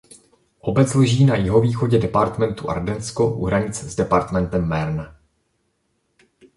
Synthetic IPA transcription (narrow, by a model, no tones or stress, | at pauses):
ʔo̞bɛt͡sloʒiːnajɪɦo̞viːxo̞ɟɛdɛpaɾt̪mɛnt̪uʔa̰ɾdɛnsko̞ʔṵɦɾaɲɪt͡szdɛpaɾt̪mɛnt̪ɛmːɛɾna